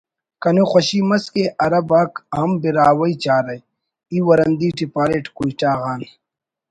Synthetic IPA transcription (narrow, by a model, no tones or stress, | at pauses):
kɐnuxʷɐɕiːmɐskeʔɐɾɐbaːkɦɐmbiɾaːwɐit͡ɕaːɾɐj | iːwɐɾɐnd̪iːʈipaːɾeːʈkuiʈaːɣaːn